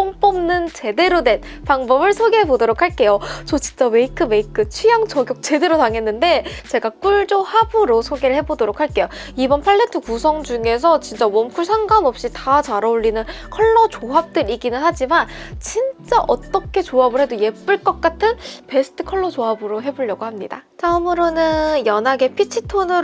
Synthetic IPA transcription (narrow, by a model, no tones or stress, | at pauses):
oŋp͈ʌmnɯnt͡ɕe̞de̞ɾodwe̞n | paŋbʌbɯɭsʰoɡeɦe̞bodoɾokʰaɭk͈e̞jot͡ɕʌt͡ɕi̥nt͡ɕ͈awe̞ikʰɯme̞ikʰɯt͡ɕʰijaŋt͡ɕʌɡjok̚t͡ɕe̞de̞ɾotaŋɦe̞nːɯndet͡ɕe̞ɡak͈uɭd͡ʑohabɯɾosʰoɡeɾɯɭhe̞bodoɾokʰaɭk͈e̞joibʌnpʰaɭːe̞tʰɯkus̬ʰʌŋd͡ʑuŋe̞s̬ʰʌt͡ɕint͡ɕ͈awʌmkʰuɭsʰaŋɡanʌp̚ɕ͈itat͡ɕaɾaoʎːinɯnkʰʌɭːʌt͡ɕoɦap̚t͈ɯɾiɡinɯnɦad͡ʑimant͡ɕint͡ɕ͈aʔʌt͈ʌkʰe̞t͡ɕoɦabɯɾɦe̞doje̞p͈ɯɭk͈ʌk̚k͈atʰɯnpe̞sʰɯ̥tʰɯ̥kʰʌɭːʌt͡ɕoɦabɯɾoɦe̞boʎjʌɡohamɲida̰t͡ɕamɯɾonɯjʌnɦaɡe̞pʰit͡ɕʰitʰonɯ